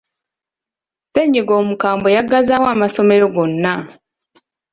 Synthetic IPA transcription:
seɲiɡo̞ːmukaːmbo̞jaɡazawaːmaso̞me̞ɾo̞ɡo̞nːa

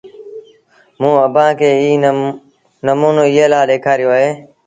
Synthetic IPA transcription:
mũːəbʱãːkʰeːiː | nəmuːnoːɪjeːlaːleːkʰaːɾɪjoːɦeː

